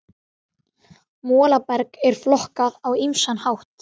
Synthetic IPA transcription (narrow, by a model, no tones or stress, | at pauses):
mɔːlapɛɾkɛɾ̥flɔhkaðawimsanhawht̪